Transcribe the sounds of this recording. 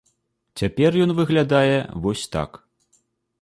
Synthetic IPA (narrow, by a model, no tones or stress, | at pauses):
t͡sʲapʲɛrjɔnvɨɣlʲad̪ajɛ̰vɔsʲt̪a̰k